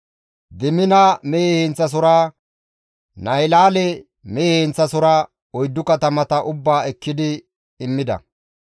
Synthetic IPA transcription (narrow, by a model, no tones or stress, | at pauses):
d̪ɪmɪnɐmeːhɛnt͡sːɐs̬ʊɾa | nɐjlaːlɛ | meːhɛnt͡sːɐsʊɾɐ | ɔjd̪ːʊkɐt̪ɐmɐt̪ɐʔʊbːaːɛkːɪd̪ɪː | mːɪd̪ɐ̰